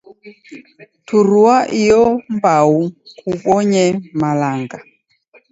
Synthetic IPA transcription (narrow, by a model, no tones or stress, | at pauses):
tuɾuaʔijɔmbaukuɓɔɲɛmalaŋɡa